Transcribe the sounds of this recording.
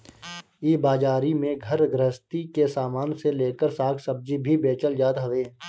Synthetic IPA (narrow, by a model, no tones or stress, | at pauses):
iːbaːd͡ʒaːɾimẽɡʱɐɾɡɾəɦst̪ikesaːmaːnseleːkəɾsaːkʰsɐb̚d͡ʒibʱibeːt͡ʃəld͡ʒaːt̪ɦɐʋeː